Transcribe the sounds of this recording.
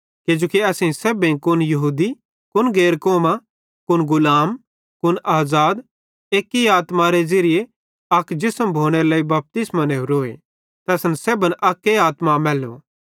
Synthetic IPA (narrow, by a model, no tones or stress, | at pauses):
ked͡ʒoːkiɐsĩseːbẽkʊnjɐɦuːd̪i | kʊnɡeːɾkoːma | kʊnɡʊlaːm | kʊnaːzaːd̪ | eːkːiaːt̪maɾed͡ʒɐɾɪje | ɐkd͡ʒɪsəmbʱoːɽ̃eɾelaːibɐp̚t̪ɪsmaneːuɾoːḛ | t̪ɛːsnseːbənʔɐkːeaːt̪mamɛːlo̰